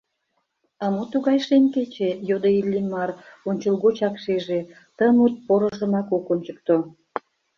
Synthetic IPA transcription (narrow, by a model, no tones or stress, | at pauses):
ɑmot̪uɣɑjʃenʲket͡ɕejod̪əilʲːimɑronʲt͡ɕəlɣot͡ɕɑkʃeʒe | t̪əmut̪̚poɾəʒəmɑkokonʲt͡ɕək̚t̪o